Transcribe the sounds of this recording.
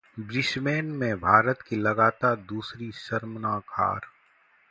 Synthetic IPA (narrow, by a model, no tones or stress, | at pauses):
bɾɪsmeːnmẽbʱaːɾət̪kilɐɡaːt̪aːɾd̪uːsɾisɐɾmənaːkʰa̰ːɾ